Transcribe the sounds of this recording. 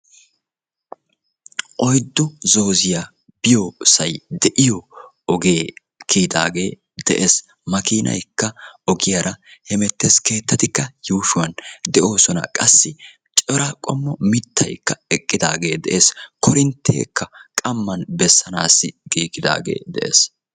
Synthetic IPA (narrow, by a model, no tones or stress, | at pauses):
ʔɔjd̪ːʊzo̞ːzɪja | bɪjosɐjd̪ɛʔɪjɔ | ɔɡe̞ː | kʰiːd̪a̰ːɡe̞ː | d̪̥ɛʔes | mɐkiːnʔɐ̰jkːɐɔɡɪjɐɾʔɐhɛmɛt̪ːeske̞ːt̪ːɐt̪ɪkːɐjuːʃʊwɐnd̪ɛʔo̞ːsɔnɐ̰kʼɐsːɪ | t͡ʃʼɔɾɐkʼɔmːɔmɪt̪ːɐ̰jkːɐɛkʼːɪd̪aːɡe̞ːd̪ɛʔeːskɔɾɪnt̪ʰːḛːkːɐkʼɐmːɐnbɛsːɐna̰ːsːɪɡiːɡɪd̪a̰ːɡe̞̰ːd̪ɛ̰ʔḛːs